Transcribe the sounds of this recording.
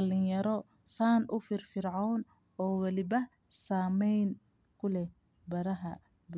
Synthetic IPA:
ɐlɪjɐɾɔ | saːnʔʊfɪrfɪrʕawn | ɔːwɐlɪβɐ | saːmɛjn | kʰʊlɛ | bɐɾɐɦɐ | b

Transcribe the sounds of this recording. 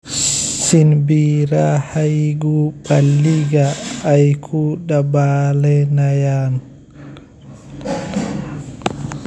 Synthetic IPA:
sinbiɾahajɡuɓalːiɡaːjkʰuɗabalɛnajan

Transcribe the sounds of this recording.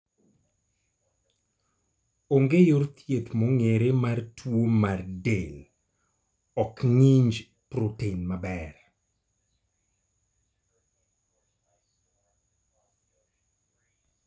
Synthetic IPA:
oŋɡejort̪ʰjet̪moŋeɾemartʰwomardel | ɔkŋiɲd͡ʒ | pɾotenmabɛɾ

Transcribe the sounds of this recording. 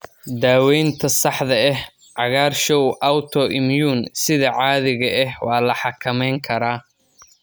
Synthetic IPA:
d̪aːwɛjnt̪ʰɐsɑħðɐɛh | ʕɑɣaːrʃɔwʔɐwt̪ʰɔʔɪmjuːnsɪðɐʕɑːðɪɣɐɛhwɑːlɐħɑkʰɐmɛjŋkʰɐɾaː

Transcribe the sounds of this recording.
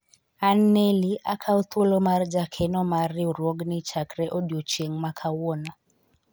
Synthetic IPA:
anːeliʔakʰaut̪ulɔmaɾid͡ʒakʰɛnɔmaɾiuɾɔɡnit͡ʃakɾɛʔɔdiɔt͡ʃeŋmakʰawɔna

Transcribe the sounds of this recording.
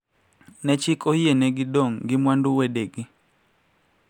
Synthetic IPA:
nɛt͡ʃikojeneɡɪdoŋɡɪmwanduwedeɡi

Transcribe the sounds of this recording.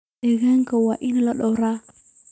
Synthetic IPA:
eɣaŋɡawaʔinalɔɗoɾa

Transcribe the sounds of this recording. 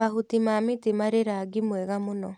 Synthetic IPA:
aɦutimamitemaɾeɾaɡimwɛɣamonɔ

